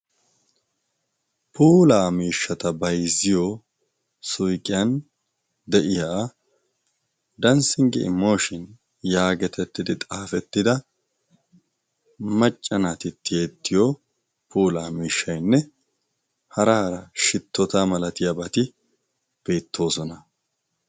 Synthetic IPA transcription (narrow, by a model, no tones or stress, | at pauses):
pʰuːlaːmiːʃːɐt̪ɐbɐjzɪjo | sʊjkʼɪjɐn | d̪ɛʔɪja | d̪ɐnsɪŋɡɛ̰ʔɪ̰mːo̞ːʃɪn | jaːɡɛt̪ɛt̪ːɪd̪ɪt̪ʼaːfɛt̪ːɪd̪ɐ | mɐt͡ʃʼːɐnaːt̪ɪt̪ːɪjeːt̪ːɪjo | puːlaːmiːʃːɐjnːɛ | hɐɾɐhɐɾɐʃɪt̪ːɔt̪aːmɐlɐt̪ɪjɐbɐt̪ɪ | b̥e̞ːt̪ʰːo̞ːsɔnɐ